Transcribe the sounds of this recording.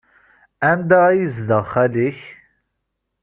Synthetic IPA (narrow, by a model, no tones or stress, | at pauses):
ænd̪ææjizðəʁχæliç